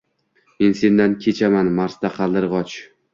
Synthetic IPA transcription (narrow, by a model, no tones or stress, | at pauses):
me̞nse̞nd̪ankʲʰe̞t͡ʃʰamanmaɾsd̪aqʰɑlˠːɪɾʁɒt͡ʃ